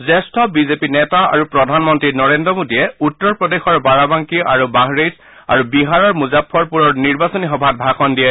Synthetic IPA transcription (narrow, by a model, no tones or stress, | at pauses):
zɛstʰɔbizepinɛtaa̰ɹupɹɔdʱanmɔntɹinɔɹendɔmodiɛutːɔɹpɹɔdexɔɹbaɹabaŋkiʔaɹubaɦɹez | a̰ɹubiɦaɹɔɹmuzapʰːɔɹpuɹɔɹniɹbasɔnixɔbʱat̚bʱakɔndijɛ